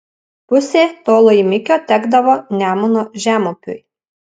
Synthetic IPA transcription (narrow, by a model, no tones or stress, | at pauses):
pʊsʲeːt̪oːlˠoimʲɪkʲoːt̪ʲæːɡd̪ɐʋoːnʲæːmʊnoʒʲæːmopʲʊ̰j